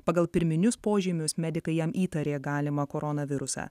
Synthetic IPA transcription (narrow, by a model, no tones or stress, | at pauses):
pɐɡɐlˠpʲɪɾʲmʲɪnʲʊspoːʒʲɪmʲʊsmʲɛd̪ʲɪkɐɪjɛmiːt̪ɐɾʲeːɡɑːlʲɪmɐkoːɾɔnɐʋʲɪɾʊsɑ̰ː